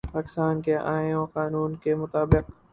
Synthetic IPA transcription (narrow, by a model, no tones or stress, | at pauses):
paːkɪ̥st̪aːnkeʔã̰ːõːqaːnuːnkemʊt̪aːbɪq